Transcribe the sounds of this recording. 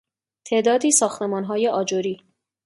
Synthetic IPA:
t̪ʰeːʔd̪ɒːd̪iːsɒːxt̪emɒːnɦɒːjeʔɒːd͡ʒoɾiː

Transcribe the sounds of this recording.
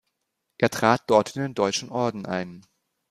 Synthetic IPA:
ʔeːɐtʁ̥aːt̚d̥ɔɐtɪndeːndɔʏt͡ʃn̩ʔɔɐdn̩ʔa̰ɪn

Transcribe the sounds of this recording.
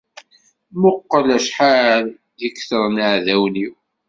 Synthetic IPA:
mʊqːəlæʃħal | jəkθəɾˤnaʕðæwniw

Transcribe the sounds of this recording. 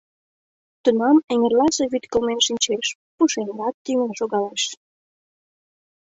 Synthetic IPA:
t̪unɑmeŋerlɑʒeβyt̪kəlmenʃinʲt͡ɕeʃ | puʃeŋɡɑt̪ːymənʃoɣɑleʃ

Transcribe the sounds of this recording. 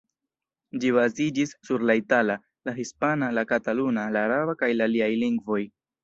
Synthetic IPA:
d͡ʒiβazid͡ʒisːuɾlaitala | laɦispanalakatalunalaːɾabakajlaliajliŋɡvo̞j

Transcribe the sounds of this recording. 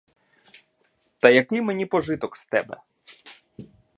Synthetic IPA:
t̪ɐjɐkɪjmenʲipɔʒɪt̪ɔkst̪ɛ̰bɛ̰

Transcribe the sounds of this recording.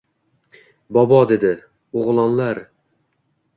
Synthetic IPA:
bɒbɒd̪ed̪ɪ | oʁlˠɒnlˠaɾ

